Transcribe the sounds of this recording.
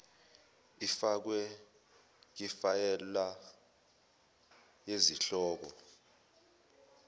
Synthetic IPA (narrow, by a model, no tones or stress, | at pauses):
ifak̬wɛ | k̬ifajɛla | jeziɬɔːk̬ɔ